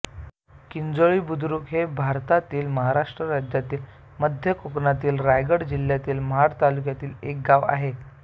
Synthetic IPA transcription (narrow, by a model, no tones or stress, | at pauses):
kind͡zoɭiːbud̪ʱɾuːkɦebʱaɾt̪at̪iːlməɦaɾaʂʈɾəɾad͡ʑjat̪iːl | məd̪ʱjəkoknat̪iːlɾajɡəɽd͡ʑil̤jat̪iːlməɦaɾt̪aluk̬jat̪iːlek̚ɡaʋa̰ɦe